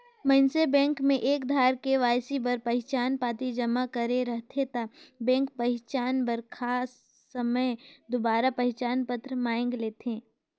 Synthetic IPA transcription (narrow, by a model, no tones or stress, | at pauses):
mə̃nsebɛ̃ːŋkmẽʔeːkd̪ʱaːɾkeʋaːjsibəɾpɐɦɪt͡ʃaːnpaːt̪id͡ʒɐmakəɾeɾɐɦt̪ʰet̪abɛ̃ːŋk̚pɐɦɪt͡ʃaːnbəɾkʰaːsː | əməjd̪obaːɾapɐɦɪt͡ʃaːnpət̪ɾəmaːɪ̃ŋɡleːt̪ɦẽː